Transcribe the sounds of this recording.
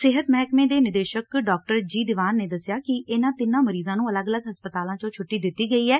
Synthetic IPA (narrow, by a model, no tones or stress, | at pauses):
sɪɦət̪mɛɦɛkmẽːd̪eːnɪd̪eːʃəkɖɔːk̚ʈəɾd͡ʒiːd̪ɪʋaːnːeːd̪əsɪjaːkɪʔɪnãːt̪ɪnãːməɾiːzãːnũːələɡələɡɦəspət̪aːlãːt͡ʃõːt͡ʃʰʊʈːiːd̪ɪt̪ːiːɡəiːɛː